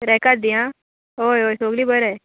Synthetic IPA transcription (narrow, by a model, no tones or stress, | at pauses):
ɾɛkad̪ijã | ojoːsoːɡlibəɾɛ